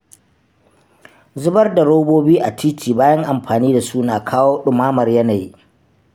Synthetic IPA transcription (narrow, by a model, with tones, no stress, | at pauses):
zʊ˦bɐ˦rda˨ɽoː˦boː˦biː˦ʔa˨tʰiː˦tʰiː˨baː˦jɐ˦ŋʔa˨mɸaː˨niː˦da˨su˦naː˨kʰaː˦woː˦ɗʊ˨maː˦mɐ˨rjɐ˦naː˨ji˦